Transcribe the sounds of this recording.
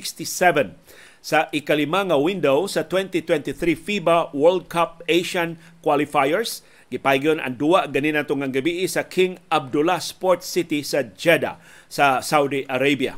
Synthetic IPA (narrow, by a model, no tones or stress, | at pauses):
kst̪isɛvɛn | saʔɪkalɪmaŋawind̪owsɐt̪wɛnt̪it̪wɛnt̪iθɾifibawɛɹld̪̚kʰap̚ejʃan | kwalifajɛɹs | ɡɪpajɡona̰ŋd̪uaʔɡaninat̪oŋaŋɡabiʔɪsɐkʰɪŋʔab̚d̪ʊlaspɔɹt̪sɪt̪isad͡ʒɛd̪a̰ | sasawd̪iʔaɾejbja̰